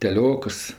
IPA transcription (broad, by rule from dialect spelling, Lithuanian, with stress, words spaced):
tʲɛˈlʲoːkɐs